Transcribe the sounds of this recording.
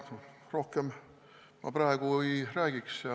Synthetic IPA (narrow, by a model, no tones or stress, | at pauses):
rohkem | mɑ̰præːɡuiræːɡ̥iksɑ